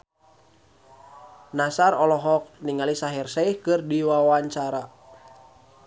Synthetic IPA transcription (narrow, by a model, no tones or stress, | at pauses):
nasarɔlɔɦɔk̚niŋalisaɦirsɛihkɨrdiwawaɲt͡ʃaɾa